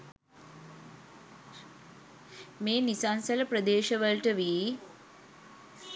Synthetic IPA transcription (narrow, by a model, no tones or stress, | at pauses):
meːnisansɐləpɾəd̪eːʃɐʋəlʈəʋiː